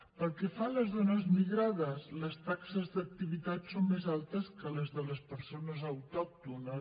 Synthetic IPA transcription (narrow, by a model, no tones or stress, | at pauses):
pəlˠkefaləzðonəzmiɣɾað̞əsləst̪aksəzðək̚t̪iβit̪at̪sommezalˠt̪əskələzðələspəɾsonəzawt̪ɔk̚t̪unə